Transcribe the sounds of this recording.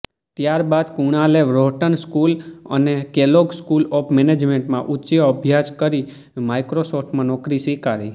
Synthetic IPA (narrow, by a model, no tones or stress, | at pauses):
t̪jaɾbad̪kuɽ̃aleʋɾoʈənskulə̰nekeloɡskulɔpʰmened͡ʒmeɳʈmãʔut͡ʃeoəbʱjad͡ʒkəɾi | majkɾosɔfʰʈmãnɔkɾisikaɾḭ